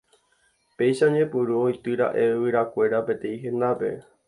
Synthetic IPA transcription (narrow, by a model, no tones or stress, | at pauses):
pe̞jʃaɲẽpuɾuojt̪ɨɾa̰ʔe̞ʋɨɾakʷe̞ɾape̞t̪ẽĩɦẽ̞nd̪ape̞̰